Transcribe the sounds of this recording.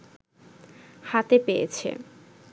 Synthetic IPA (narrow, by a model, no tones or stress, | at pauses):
hat̪epejḛt͡ɕʰḛ